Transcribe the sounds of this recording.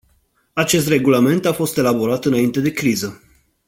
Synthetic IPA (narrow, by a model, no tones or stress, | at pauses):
at͡ʃe̞s̬t̪re̞ɡulame̞nt̪afo̞st̪e̞labo̞ɾat̪ɨnaint̪e̞d̪e̞kɾizə